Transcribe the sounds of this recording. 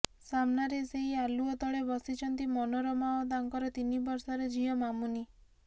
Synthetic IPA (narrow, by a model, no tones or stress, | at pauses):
samnaɾeseɦialuɔt̪ɔɭebɔsit͡ʃʰɔnt̪imɔnɔɾɔmaɔd̪aŋkɔɾɔt̪inibɔɾsɔɾed͡ʒiɔmamuni